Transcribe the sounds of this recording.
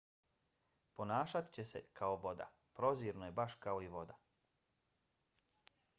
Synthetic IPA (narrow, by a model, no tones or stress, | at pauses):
po̞naːʃat̪i̥t͡ɕe̞se̞kʰao̞ʋo̞d̪a̰ | pɾo̞ziːɾnoje̞baʃkao̞iʋo̞d̪a